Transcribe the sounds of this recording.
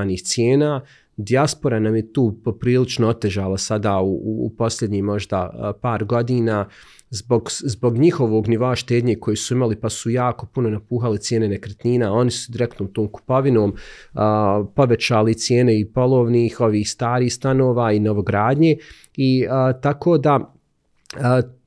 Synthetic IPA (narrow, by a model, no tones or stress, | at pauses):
niːxt̪sjeːnaː | d̪iaspo̞ɾanamje̞t̪uːpo̞pɾiːlit͡ʃnoo̞t̪e̞ʒaːlˠasad̪aːṵpo̞sʎʲe̞d̪ɲiːmo̞ʒd̪apaːɾɡo̞d̪iːnaː | zbo̞ɡzbo̞ɡɲixo̞ʋoːɡniʋo̞aʃt̪eːd̪ɲeːko̞jeːsuimalipasujaːko̞puno̞napuːxalit̪sjeːnenekɾet̪niːnao̞nisud̪iɾek̚t̪noːmt̪oːmku̥po̞ʋinoːməpo̞ʋe̞t͡ɕaːlit̪sjeːne̞ipo̞lˠo̞ːʋniːxo̞ʋiːhst̪aːɾiːhst̪anoːʋaːino̞ʋo̞ɡɾaːd̪ɲeː | iət̪akoːd̪a | ə